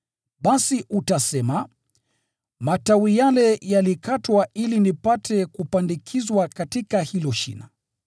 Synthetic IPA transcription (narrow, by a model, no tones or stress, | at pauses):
ɓasiʔutasɛma | matawijalɛjalikatwaʔilinipatʰɛkupandikʰizwakatikahilɔʃḭna